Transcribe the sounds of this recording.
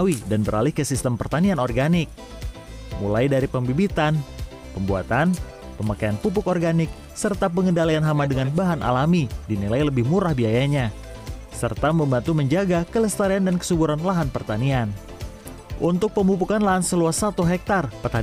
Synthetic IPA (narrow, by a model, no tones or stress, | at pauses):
widanbəɾalihkəsist̪əmpərt̪anianɔrɡanɪk̚ | mṵlajdaɾipəmbibit̪an | pəmbua̰t̪an | pəmakajanpup̬ʊkɔrɡanɪk̚ | sərt̪ap̬əŋəndalajanɦamadəŋanbaɦanʔa̰lamidinilajləbɪhmuɾahbiajaɲa | sə̰rt̪aməmbant̪uməɲd͡ʒaɡakələst̪aɾiandankə̥subuɾanlaɦanpərt̪anian | ʔunt̪ʊk̚pəmupukanlaɦansəluasat̪uɦɛk̚t̪arpərt̪an